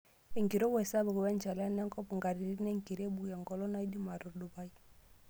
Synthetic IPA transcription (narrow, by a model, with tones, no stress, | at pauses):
ɛ˨ŋɡi˨ɾɔ˦bwɛ˨sa˦bu˨kɔ˨wɛ˦nd͡ʒa˨la˦nɛ˦ŋkɔ˦pu˨ŋɡa˨ɾi˨ɾi˦nɛ˦ŋki˨ɾɛ˦bu˨ja˨ŋɡɔ˨lɔ˦na˦i˦di˦ma˨ɾu˨du˨ba˦i˦